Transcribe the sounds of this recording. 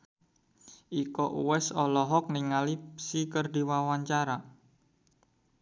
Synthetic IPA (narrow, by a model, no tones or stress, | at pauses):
ʔikɔʔuwɛsɔlɔɦɔk̚niŋalipsikərdi̤wawaɲt͡ʃaɾa